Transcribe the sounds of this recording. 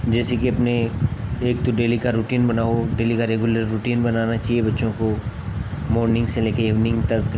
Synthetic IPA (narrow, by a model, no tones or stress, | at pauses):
d͡ʒɛːsekiɐpneeːk̚t̪oɖeːlikaɾuːʈiːnbɐnaːoɖeːlikaɾeːɡjuləɾːuʈiːnbɐnaːnat͡ʃaːɦiebɐtːʃõko | mɔːɾnɪ̃ŋɡseleːkeiːʋnɪ̃ŋɡt̪ɐk